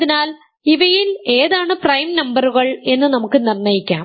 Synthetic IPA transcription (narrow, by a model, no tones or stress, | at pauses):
ðinaːl | iʋɐjile̞ːðaːɳɨprɐjmnɐmbɐruɣɐɭe̞nːɨnɐmukːɨnirnɐjikʲːa̰ː